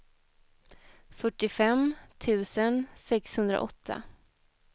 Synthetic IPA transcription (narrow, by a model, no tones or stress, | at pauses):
fœʈːɪfɛmt̪ʰʉ̟ːsənsɛkshɵnd̪ɾa̰ʔɔt̪ʰːa̰